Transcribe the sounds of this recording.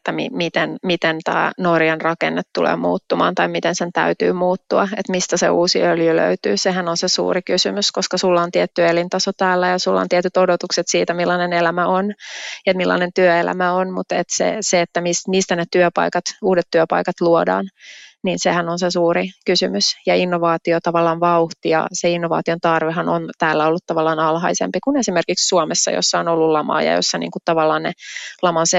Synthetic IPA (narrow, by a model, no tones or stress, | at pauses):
et̪ːæmḭmit̪enmit̪ent̪æ̰ːnorjɑnrɑkḛnːet̪tulḛːmṵːt̪ːumɑ̰ːnt̪ɑimit̪ensent̪æ̰yt̪y̰ːmuːt̪ːuɑet̪mist̪æsḛuːsḭøljylø̰yt̪y̰ːseɦænonsesṵːrikysymyskoskɑsulːɑont̪iɛt̪ːyelint̪ɑsot̪æːlːæjɑsulːɑ̰nt̪iɛt̪yt̪odot̪ukset̪siːt̪æmilːɑnenelæmæonet̪milːɑ̰nent̪yøelæ̰mæonmut̪et̪sḛseet̪ːæmismist̪ænet̪yøpɑ̰ikɑt̪uːdet̪tyøpɑ̰ikɑt̪luodɑ̰ːnniːnsehænonsesuːɾikysymysjɑinːoʋɑːt̪iot̪ɑʋɑlːɑːnʋɑuht̪ijɑ̰seinːoʋɑ̰ːt̪iont̪ɑrʋeɦɑnont̪æːlːæolːut̪t̪ɑʋɑlːɑːnɑlɦɑisḛmpikunesimerkikssuomesːɑ̰jo̰sːɑonolːullɑmɑ̰ːjɑ̰jo̰sːɑnḭːŋkut̪t̪ɑʋɑlːɑːnnelɑmɑnse